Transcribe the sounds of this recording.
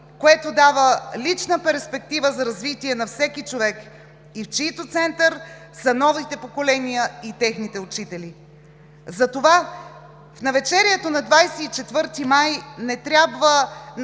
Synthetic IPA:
koɛt̪od̪avəlit͡ʃnəpɛɾspɛkt̪ivəzɐɾɐzvit̪iɛnɐfsɛkit͡ʃovɛk | ift͡ʃit̪ot̪sɛnt̪əɾ | sɐnɔvit̪ɛpokolɛnijəit̪ɛxnit̪ɛʊt͡ʃit̪ɛli | zɐt̪ova | fnɐvɛt͡ʃɛɾiɛt̪onɐd̪vajsɛːt͡ʃɛt̪vɤɾt̪imajnɛt̪ɾʲjabvə

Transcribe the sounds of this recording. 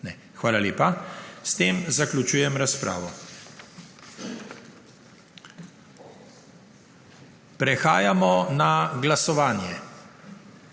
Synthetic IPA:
nɛ | xʋaːlaleːpast̪eːmzaklʲut͡ʃuːjɛmɾaspɾa̰ːʋɔ | pɾɛxaːjamɔnaɡlasɔʋaːnjɛ

